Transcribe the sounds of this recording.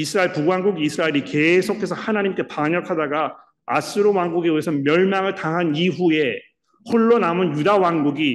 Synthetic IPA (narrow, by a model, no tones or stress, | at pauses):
isʰɯɾaeɭpuɡwaŋɡuɡiisʰɯɾaeɾike̞sʰokʰe̞sʰʌhanaɲimk͈e̞paɲʌkʰadaɡa | as͈ʰɯɾowaŋɡuɡeuesʰʌmjʌɭmaŋɯɭtaɦaniɸue̞ | hoɭːonamɯnjudawaŋɡuɡi